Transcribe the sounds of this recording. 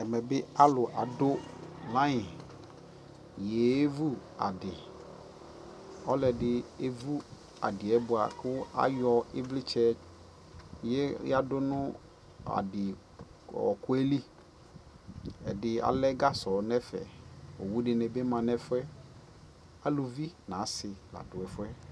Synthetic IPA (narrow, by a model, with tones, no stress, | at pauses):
ɛ˨mɛ˨bɪ˦a˦lʊ˨ʔa˨dʊ˦lã˦ɪ˨ | je˨˦vu˦a̰˨dɪ˨ | ɔ˦lɛ˨dɪ˦e˦vu˦ | a̰˨dɪ˨ɛ˦bʊ˨a˨kʊ˦a̰˦jɔ˦ɪ˦vlɪ˦t͡ʃɛ˦ | jɛ˦a˦dʊ˦nʊ̃˦ | a̰˨dɪ˨ | ɔ̰˨kʊ˦ɛ˦li˦ | ɛ˨dɪ˨a̰˨lɛ˦ɡa˦sɔ˨nɛ˦fɛ̰˨o̰˨wu˦dɪ˨nɛ˨be˦mã˨nɛ˦fʊ˦ɛ˦ | a˦lo˨vi˦nã˨˦sɪ˨la̰˨dʊ˨ɛ˨fʊ˦ɛ˦